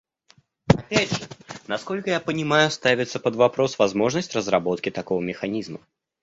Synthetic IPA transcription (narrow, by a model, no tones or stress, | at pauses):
apʲadʐɨnaskɔlʲkəjapənʲɪmajust̪avʲit̪sːɐpɐd̪vapɾɔsvazmɔʐnəsʲtʲrəzrabɔt̪kʲit̪akɔvɐmʲɪxanʲizmɐ